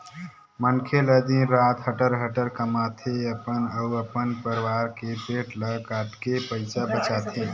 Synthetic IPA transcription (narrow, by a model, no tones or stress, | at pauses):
mənkʰeləd̪inɾat̪ɦəʈəɾɦəʈəɾkəmat̪ʰeəpənəəpənpəɾiʋaɾkepeʈləkaʈkepəɪt͡ʃabət͡ʃat̪ʰe